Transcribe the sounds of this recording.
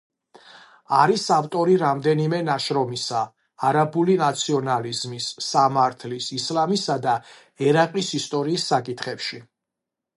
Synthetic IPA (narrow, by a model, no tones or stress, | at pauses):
aɾisaft̪ʼɔɾiɾamd̪ɛnimɛnaʃɾɔmisaː | ɾabulinat̪sʰiɔnalizmisːamaɾt̪ʰlisislamisad̪a | ɛɾaqʼisist̪ʼɔɾiːsːakʼit̪ʰχɛpʃi